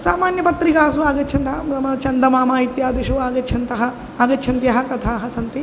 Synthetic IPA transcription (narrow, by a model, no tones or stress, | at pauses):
saːmaːnjɐpɐt̪ɾikaːsuaːɡɐtʰɐnt̪anɐmɐt͡ʃɐnd̪ɐmaːmaːɦit̪jaːd̪iʃuaːɡɐtːʃʰɐnt̪ɐɦɐ̆ | aːɡɐtːt͡ʃʰɐnt̪jɐɦɐkɐt̪ʰaːɦɐsɐnt̪i